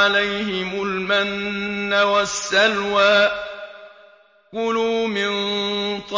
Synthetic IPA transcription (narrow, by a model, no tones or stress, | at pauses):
alajhɪmʊlmanːawasːalwaːʔ | kʊluːmɪnt̪ˤ